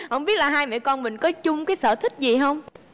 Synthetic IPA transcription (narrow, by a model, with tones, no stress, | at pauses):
hə̰˧˨ŋ͡mɓi˦˥ət̚laː˨˩ɦaː˧jmɛ̰˧˨kɔ˧nmï˨˩ŋ̟kɔ˨˦t͡ɕʊ˧ŋ͡mkaː˨˦jsə̰ː˧˩t̪ʰï˦˥k̟̚zi˨˩ɦə˧wŋ͡m